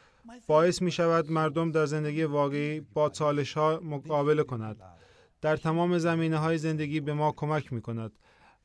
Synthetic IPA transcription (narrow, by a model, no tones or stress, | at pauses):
b̥ɒːe̞smiːʃævæd̪mæɾd̪o̞md̪æɾze̞nd̪e̞ɡʲiːjevɒːɣe̞iːbɒːt͡ʃʰɒːle̞ʃhɒːmoɡɒːbe̞le̞kʰo̞næd̪ | d̪̥æɾt̪ʰæmɒːme̞zæmiːneɦɒːjeze̞nd̪eɡʲiːbe̞mɒːkʰo̞mæcʰmiːkʰo̞næd̪̥